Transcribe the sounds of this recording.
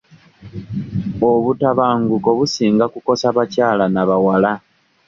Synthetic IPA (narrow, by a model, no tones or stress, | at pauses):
o̞βutaβaːŋɡuko̞βusiːŋɡakuko̞saβacaːlanaβawala